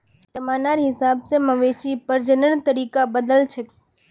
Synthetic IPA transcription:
t̪əmaːnaːɾɦɪsaːbseməʋeːʃipəɾd͡ʒənəɽt̪əɾiːkabəd̪əlt͡ʃʰe

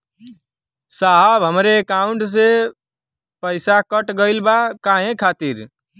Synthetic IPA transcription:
saɦəbɦəmɾekaʊ̃ɳʈs̬e | pəɪsakəʈɡəɪlbakaɦẽkʰat̪iɾ

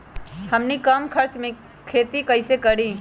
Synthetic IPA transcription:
həmnikəmkʰəɾt͡ʃme | kʰet̪ikəɪsekəɾi

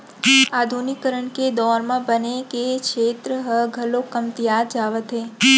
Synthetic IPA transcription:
ad̪ʱunikəɾəɳked̪ɔɾmãbənekekʃʰet̪ɾəɦəɡʱəlokəmt̪ijad͡ʒaʋət̪ɦe

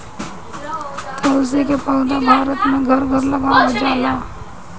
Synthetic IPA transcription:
t̪ozikepəɡd̪abʱaːɾət̪mẽɡʱɐɾɡʱɐɾlɐɡaːwad͡ʒaːlaː

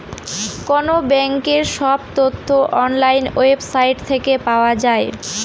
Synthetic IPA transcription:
kɔnobɛŋkeɾʃɔbt̪ot̪ʰːoʔɔnlajnoebsajʈt̪ʰekepaoad͡ʑae

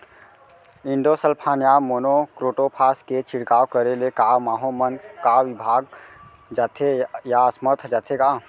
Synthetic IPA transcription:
iɳɖosəlpʰanjamonokɾoʈopʰasket͡ʃʰiɽkawkəɾelekamaːɦomənkaʋibʱaːɡ | d͡ʒat̪ʰejaəsməɾt̪ʰd͡ʒat̪ʰeka

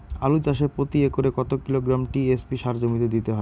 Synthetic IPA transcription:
alud͡ʑaʃepɾot̪iekoɾekɔt̪okiloɡɾamʈiespiʃaɾd͡ʑomit̪̬ed̪it̪eɦɔe

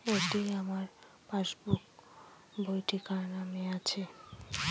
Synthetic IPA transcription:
oʈiamaɾ | paʃbuk | bʱojʈikaɾnameat͡ɕʰe

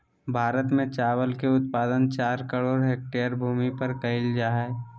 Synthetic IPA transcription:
bʱaːɾət̪mẽt͡ʃaːwəlkeʊt̪̚paːd̪ənt͡ʃaːɾkəɽoːɾɦeːk̚ʈeəɾbʱuːmipəɾkəɪld͡ʒaːɦɛ

